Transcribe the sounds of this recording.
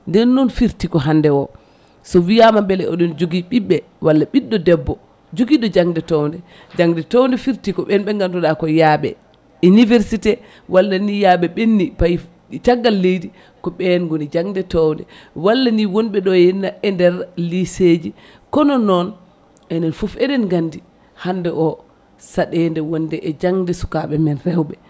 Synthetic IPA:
ndɛnːɔnfiɾtikɔɦandɛwɔ | sɔvijamambɛlɛɔɗɔnd͡ʒoɡiɓiɓːɛ | walːaɓiɗːɔdɛbːɔ | d͡ʒoɡiɗɔd͡ʒaŋdɛtɔwndɛ | d͡ʒaŋdɛtɔwndɛfiɾtikɔɓɛnɓɛŋɡanduɗakɔjaːɓɛ̰ | inivɛɾsitɛ | walːanijaɓɛɓenːipaj | t͡ʃaɡːalːejdi | kɔɓɛnɡonid͡ʒaŋdɛtɔwndɛ̰walːaniwɔnɓɛɗɔɛnaɛndɛɾlised͡ʒi | kɔnɔnɔn | ɛnɛnfufɛdɛnɡandi | handɛʔɔ | saɗɛndɛwɔndɛʔɛd͡ʒaŋdɛsu̥kaɓɛmɛnrɛwɓɛ

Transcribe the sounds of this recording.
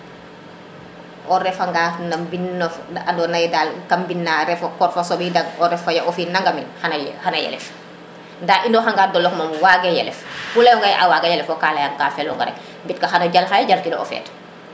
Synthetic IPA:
ʔɔɾɛfaŋɡanɐmbinːɔfandɔnajdalkambinːaːɾɛfɔkɔrfosɔbidɐɡɔɾɛfːɐjaʔɔfinaŋɡaminxanxanɐjɛ̰lɛ̰f | ndaːʔindɔxaŋɡaːdɔlːɔkmɔmwaɡejɛlɛ̰ffulɐjɔŋɡɐjʔa̰waɡajɛlɛfɔkaːlɐjaŋkaːfɛlɔ̰ŋɡɐ̰ɾɛ̰k̚ | mbitkɐxanɐɟalxajaɟalkinɔɔ̰fɛ̰ːt

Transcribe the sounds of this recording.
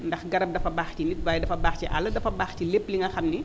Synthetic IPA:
ndɐxɡɐɾɐp̚dɐfɐbaːxcinit̚baːjdɐfɐbaːxciʔɐ̰lɐdɐfɐbaːxcilepːliŋɡɐxɐmni

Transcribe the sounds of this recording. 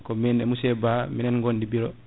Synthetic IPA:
kɔmɛnɛmusɛbaminɛnɡɔndibiɾɔ

